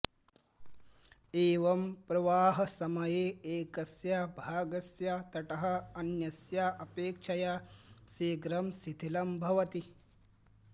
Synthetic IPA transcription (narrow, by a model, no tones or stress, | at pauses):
eːʋɐmpɾɐʋaːɦɐ̆sɐmɐjeːeːkɐsjabʱaːɡɐsjat̪ɐʈɐɦɐ̆ɐnjɐsjaːʔɐpeːkʂɐjaːseːɡɾɐmsit̪ʰilɐmbʱɐʋɐt̪i